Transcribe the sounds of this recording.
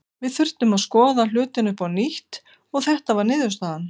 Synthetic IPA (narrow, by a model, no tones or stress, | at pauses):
vɪðθʏr̥t̪ʏmaðskɔːðal̥ʏːt̪ɪnʏpawniht̪ | ɔɣθɛht̪avaɾnɪːðʏst̪aːðan